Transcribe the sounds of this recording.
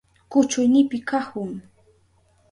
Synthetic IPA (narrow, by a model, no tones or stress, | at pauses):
kʊt͡ʃʊjnɪpɪkahʊŋ